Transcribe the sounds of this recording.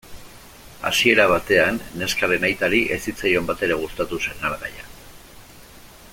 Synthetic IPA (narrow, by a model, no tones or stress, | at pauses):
a̰sie̞ɾaβ̞at̪e̞anːe̞skaɾe̞najt̪aɾiʔe̞sit͡sajo̞mbat̪e̞ɾe̞ɣ̞ust̪at̪use̞nalɣa̰ja